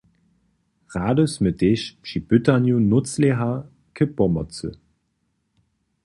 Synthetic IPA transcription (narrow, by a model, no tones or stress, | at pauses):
ʁaːdəsməteʃpʃib̥ytanjunʊt͡sleɦa | kʰəbɔmɐt͡sə̰